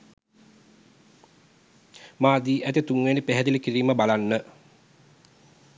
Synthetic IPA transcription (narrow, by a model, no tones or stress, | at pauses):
maːd̪iːʔæt̪it̪uŋwenipeɦæd̪ilikiɾiːməbalanːə